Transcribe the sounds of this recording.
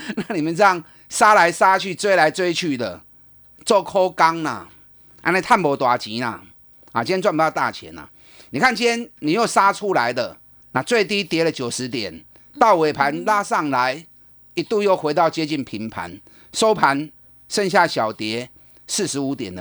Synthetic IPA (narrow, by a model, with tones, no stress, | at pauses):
na˥˩˨ni˨mə˨nt͡sa˥˩ŋ | sa˦la˧˦ɪsa˦t͡ɕʰy˥˧t͡swe˥ɪla˨˦ɪt͡swe˥ɪt͡ɕʰy˥˧d̪ə̰˩ | t͡swɔ˥˩kʰo˦ka˦ŋna̰˨ | ʔa̰˧˥ne˥˧˦t̪ʰa˥˨npɔ˨˦t̪wa˨˩t͡ɕi˨˦na̰˨ | a˨t͡ɕi˥njɛ̃˥nt͡swa˥˩˨p̪a˥˧t̪a̰˥˨t͡ɕʰjɛ̰˨˦na̰˨˩ | ni˨˩kʰa˥˨nt͡ɕi˥njɛ˦˥nni˨˩jo˥˩ʊsa˦t͡sʰu˦la˨˦ɪd̪ə˨ | na˨t͡swe˥˧ɪt̪i˦t̪jɛ˨˦lə˨t͡ɕjo˨˩ʂɻ̩˧˦t̪jɛ˨˩n | t̪ɑ˥˨ʊwe˨˩ɪpʰa˨˦nla˦sɑ˥˨ŋla˨˦ɪ | i˨t̪u˥˧jo˥˩ʊxwe˧˥ɪt̪ɑ˥˨ʊt͡ɕjɛ˥˦t͡ɕi˥˨npʰi˨˦ŋpʰa̰˨˦n | so˦ʊpʰa˨˦n | ʂə˥˧ŋɕ̬ja˥˩ɕjɑ˨˩ʊt̪jɛ˨˦ | sɹ̩˥˩ʂɻ̩˧˦u˧˦t̪jɛ̰˨˩nd̪ə˦